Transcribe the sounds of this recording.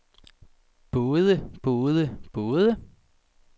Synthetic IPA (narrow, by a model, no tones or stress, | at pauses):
b̥oːðˠəb̥oːðˠəb̥oːðˠə